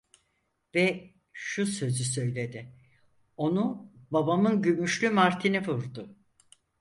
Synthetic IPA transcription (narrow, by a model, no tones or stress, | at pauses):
vɛ | ʃusø̞zysø̞jlʲe̞d̪ɪ | o̞nubabamɯnɟymyʃlʲymaɾt̪ʰinivuɾd̪ʊ